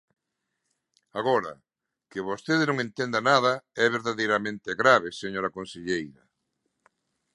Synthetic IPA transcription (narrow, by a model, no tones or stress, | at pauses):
aɣɔɾɐ̰ | keβost̪eðenõŋẽnt̪end̪anað̞ɐɛβeɾðaðejɾamẽnt̪eɣɾaβ̞eseɲoɾɐkonseʎejɾɐ